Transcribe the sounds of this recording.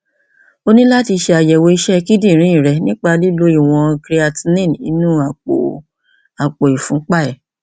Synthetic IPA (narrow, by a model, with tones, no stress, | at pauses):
o˦nĩ˦la˦ti˧ʃe˧a˧jɛ˨wo˧i˧ʃɛ˦˧ki˦di˦˨ɾ̃ĩ˨˦ĩ˨ɾɛ˧˦nĩ˦k͡pa˧li˦lo˨˦i˦˨w̃ɔ̃˧kɾi˧a˧ti˧nĩ˦˨n˨ḭ˨˧˦nũ˦a˨k͡po̰˨ | a˨k͡po˨i˨fũ˨˦k͡pa˦˨ɛ˨